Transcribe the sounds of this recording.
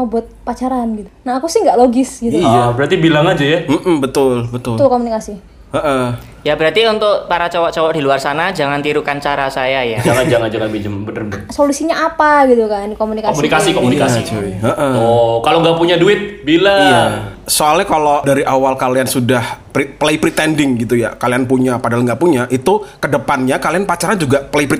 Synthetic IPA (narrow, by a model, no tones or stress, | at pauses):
mawbuat̪̚pat͡ʃaɾanɡit̪unaːkusɪhŋɡaʔloɡɪsɡit̪uiabəɾat̪ibilaŋad͡ʒajam̩ʔm̩bət̪ʊlbət̪ʊlt̪ʊlkomunikasi | əʔə | jabəɾart̪iunt̪ʊk̚paɾat͡ʃawaʔt͡ʃawak̚diluarsanad͡ʒaŋant̪iɾukant͡ʃaɾasajajad͡ʒaŋand͡ʒaŋand͡ʒaŋanbid͡ʒəmbənərbəsolusiɲaapaɡit̪ukankomunikaomunikasikomunikat͡ʃoəʔəhɔkaloŋɡapuɲaduɪt̪̚bilaijasoalɲakalodaɾiʔawalkaliansudahpɾipleipɾit̪ɛndɪŋɡit̪̬ujakalianpuɲapadalŋɡaʔpuɲaʔit̪ukədəpanɲakalianpat͡ʃaɾad͡ʒuɡapleipɾi